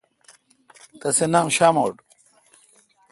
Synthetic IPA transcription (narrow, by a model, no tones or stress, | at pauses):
t̪ɐsenaːmɕaːmoːɖ